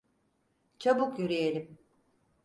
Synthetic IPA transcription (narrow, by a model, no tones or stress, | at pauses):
t͡ʃʰabukjyɾijelʲim